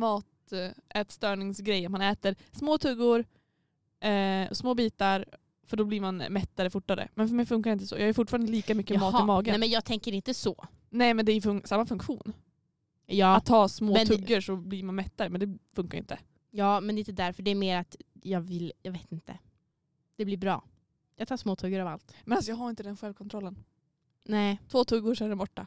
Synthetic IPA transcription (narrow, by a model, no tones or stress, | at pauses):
mɑːt̪ | ɛːt̪st̪œːɳɪŋsɡɾɛjːat̪manɛːt̪əɾsmoːt̪ʰɵɡːʊɾ | ɛɔsmoːbiːt̪aɾ | fœɖɔbliːɾmanmɛt̪ːaɾəfʊʈːaɾə̰mɛnfœɾmɛjfɵŋkaɾɪnt̪əsɔ̰ːjɑːhœɾfʊʈːfɑːɾanəliːkamʏkːəmɑːt̪ɪmɑːɡənmɛnjɑːɡ̚t̪ʰɛŋkəɾɪnt̪əsɔ | nɛmɛnd̪ɛæɾjɵfɵŋsamːafɵŋkɧuːn | jɑːat̪ʰːɑːsmoːmɛɵɡːəɾʂɔbliɾmanmɛt̪ːaɾəmɛnd̪ɛfɵŋkaɾɪ̰nt̪ʰə | jɑːmɛnɛɪnt̪əd̪æɾfœɖɛːɾmeːɾat̪jɑːɡvɪljɑɡveːt̪ɪnt̪ə̰ | d̪̥ɛblɪɾbɾɑ̰ː | jɑːɡt̪ʰɑːsmoːt̪ʰɵɡːəɾava̰lt̪mɛnasɔjɑːɡɦaɾɪnt̪əd̪ɛnɧɛlvkʰɔnt̪ʰɾɔlːən | nɛːt̪ʰvoːt̪ʰɵɡːʊʂɛɾɛnbɔʈːa